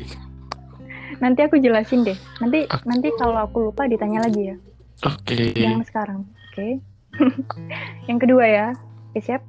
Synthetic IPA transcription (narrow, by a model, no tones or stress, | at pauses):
nant̪iakud͡ʒəlasɪndɛhnant̪̬inant̪ikaloakulupadit̪aɲalaɡija | okejaŋsə̥kaɾaŋoke | jaŋkəduajaokesiap̚